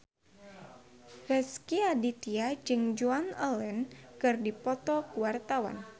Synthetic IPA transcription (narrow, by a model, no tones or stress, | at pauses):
rɛskiadit̪iad͡ʒɨŋd͡ʒuanəlɛnkɨrdipɔt̪ɔkuwart̪awa̰n